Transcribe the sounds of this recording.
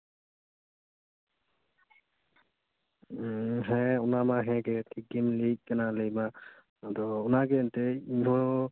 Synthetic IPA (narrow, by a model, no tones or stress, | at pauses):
ɦɛ̃ʊnamaɦɛ̃ɡɛtʰik̚inlik̚kanalejmaː | d̪ɔʊnaɡɛːntɛiɦɔ